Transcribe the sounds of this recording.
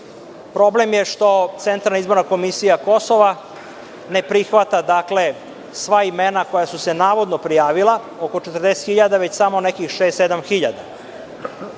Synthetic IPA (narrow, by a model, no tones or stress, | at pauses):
pɾo̞blemjeʂt̪o̞t̪sent̪ɾalnaizbo̞ɾnako̞misijako̞so̞ʋa | ne̞pɾixʋat̪ad̪akle̞ | sʋaimenako̞jasusenaːʋo̞d̪nopɾijaːʋilˠa | oko̞t͡ʃet̪rd̪e̞set̪xiʎad̪aʋet͡ɕsamo̞nekixʃeːst̪ed̪amxiʎa̰d̪a̰